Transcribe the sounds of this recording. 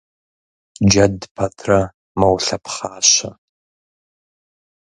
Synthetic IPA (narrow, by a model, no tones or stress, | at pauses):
d͡ʒɐdpʰɐtʰrɐ | mɐwɬɐpχaːɕɐ̰